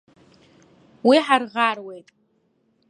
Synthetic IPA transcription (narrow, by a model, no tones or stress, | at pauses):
wiħarʁarwe̞jtʼ